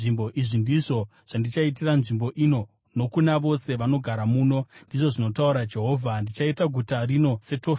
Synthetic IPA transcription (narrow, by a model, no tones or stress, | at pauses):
imboʔiʐindiʐo̞ | ʐ̥andit͡ʃait̬iranʐimbo̞ʔino̞ | no̞kunaʋo̞se̞ʋano̞ɡʱaɾamuːno̞ndiʐo̞ʐino̞tauɾad͡ʒe̞ɦo̞ːvʱandit͡ʃaitaɡʱutarino̞se̞tof